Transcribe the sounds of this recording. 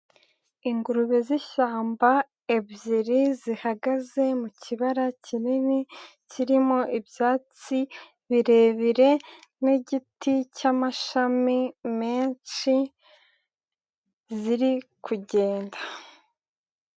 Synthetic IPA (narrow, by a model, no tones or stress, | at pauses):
iŋɡuɾuβeziʃaːmba | ebziɾizihaɡaze̞mucʰiβaɾacinini | ciɾimo̞ʔibjaːt͡si | βiɾe̞βiɾe̞niɟiticamaʃamimeːnʃi | ziɾikʰuɟe̞ːnda